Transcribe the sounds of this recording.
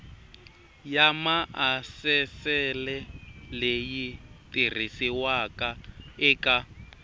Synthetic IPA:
jamaasɛsɛlɛlejitir̤isiwakʼaɪkʼa

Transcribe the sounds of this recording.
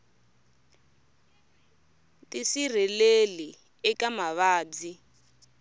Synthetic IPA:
tisir̤ileli | ɛkamaβaːd͡zi

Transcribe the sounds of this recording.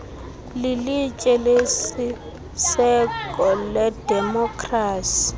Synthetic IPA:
lilit͡ʃʼɛlesi | sɛkʼɔlɛdɛmɔkʰʼraːsi̥

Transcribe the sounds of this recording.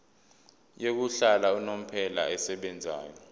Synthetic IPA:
jok̬uɬalaunom̩pʰɛla̰ɛsɛɓɛnd͡zʱa̰ːjɔ

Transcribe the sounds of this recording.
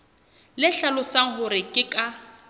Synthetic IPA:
lɪɬalʊsaŋ̩hʊɾɪkʼɪkʼa

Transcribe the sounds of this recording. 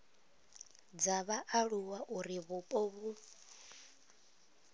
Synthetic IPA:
d͡zaβaʔaɺuwaʔuɾiβupʼɔβu

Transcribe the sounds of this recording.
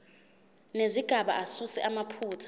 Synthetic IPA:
neziɡ̥ʱaɓa̰ʔasusɛ̰ʔamapʰuːtʰḁ

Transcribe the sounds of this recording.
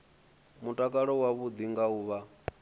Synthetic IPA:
mutʼakʼaɺɔwaβud̪iŋɡauːβa

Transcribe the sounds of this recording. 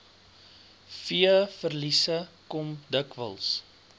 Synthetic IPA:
fiəfərlisəkɔmdəkvə̰lˠs

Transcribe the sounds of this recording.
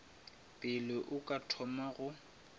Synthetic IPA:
pʼɪlɪʔʊkʼatʰɔmaɣʊ

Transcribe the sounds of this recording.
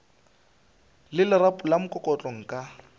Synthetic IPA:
lɪlɪrapʼʊlamʊkʼɔkʼɔt͡ɬʼɔŋ̩kʼa

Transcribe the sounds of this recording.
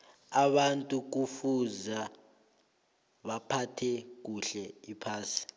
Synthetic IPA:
aɓantʼuk̬ufuza | ɓapʰatʰɛk̬uɬɛipʰaːsi̥

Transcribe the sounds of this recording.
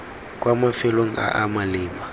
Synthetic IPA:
kʼwʔamafɛloŋ̩ʔa̰ʔamalɪːma

